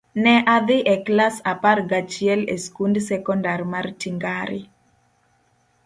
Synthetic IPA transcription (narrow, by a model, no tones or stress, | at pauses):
nɛʔad̪ɪʔɛklasaparɡat͡ʃiɪɛleskundsɛkɔndarmartiŋɡaɾɪ